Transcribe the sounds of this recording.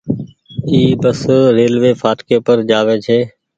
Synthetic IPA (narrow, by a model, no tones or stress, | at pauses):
iːbəsɾeːlʋeːfʰaːʈkeːpəɾd͡ʒaːʋeːt͡ʃʰeː